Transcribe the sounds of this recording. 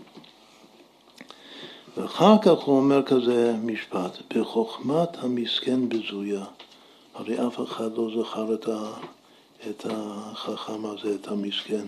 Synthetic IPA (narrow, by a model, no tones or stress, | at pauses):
veaχaʁkaχhuomeʁkazemiʃpat̪b̥eχoχmathamiskenbəzuja | haʁejʔafeχad̪lo̞zaχaʁta | et̪ʰaχaχamhazeːthamisken